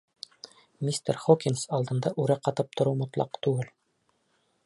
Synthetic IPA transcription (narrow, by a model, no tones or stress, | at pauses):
mʲist̪ḛɾχokʲinsɒlˠd̪ɤ̆nd̪ɑʔʉɾæqɑt̪ɤp̚t̪ʰŏɾuwmŏt̪lˠɑ̰qt̪ʉɡɘl